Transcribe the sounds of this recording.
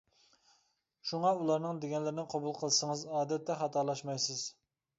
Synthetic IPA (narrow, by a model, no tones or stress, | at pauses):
ʃuŋɑulˠɑɾnɨŋd̪eɡʲɛnlɪɾɪnɪqʰɑbulˠqʰəlˠɨsəŋəzɑːd̪ɛt̪ʰːɛχɑt̪ʰɑɾlˠɑʃmɑjsɨz̥